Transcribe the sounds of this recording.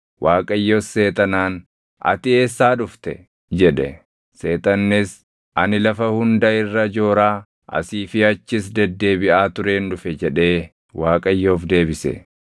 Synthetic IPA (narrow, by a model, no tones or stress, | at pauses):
wʔaːkʼɐjːosːe̞ːt̪ɐnaːn | ɐ̰t̪ɪe̞ːsːaːᶑʊft̪ɛ̰ | d͡ʒɛᶑɛ | se̞ːt̪ɐnːɪs | ʔɐnɪlɐfɐhʊnd̪ɐɪrːɐd͡ʒo̞ːɾaː | ʔɐ̰siːfɪɐt͡ʃːɪs̬d̪ɛd̪ːe̞ːbɪʔaːt̪ʊɾe̞ːnᶑʊfɛd͡ʒɛᶑe̞ː | waːkʼɐjːoːfd̪e̞ːbɪsɛ̰